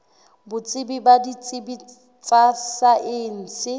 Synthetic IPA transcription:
bʊt͡sʼɪbibadit͡sʼɪbi | t͡sʼasaʔɪn̩ːsɪ

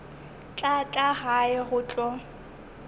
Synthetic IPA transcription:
t͡ɬʼat͡ɬʼaɣaɪɣʊːt͡ɬʼɔ

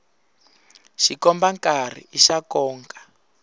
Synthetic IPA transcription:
ʃikɔmbaŋkar̤ḭiʃakɔːŋkʼḁ

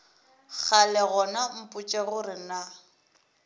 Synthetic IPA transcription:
k͡xʰalɛɣɔnam̩pʼʊt͡ʃʼɛɣʊrɪna

